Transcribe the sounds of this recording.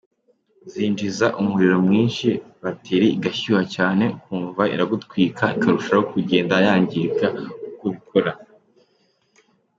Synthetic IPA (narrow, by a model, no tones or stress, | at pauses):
ziːnd͡ʒizaʔumuɾiɾo̞mŋiːnʃi | βatʰeɾiiɡaçuhacaːne̞kuːɱvaḭɾaɡutkwiːkʰaikʰaɾuʃajokuɟe̞ːndajaːɲɟikaukoβikʰo̞ɾa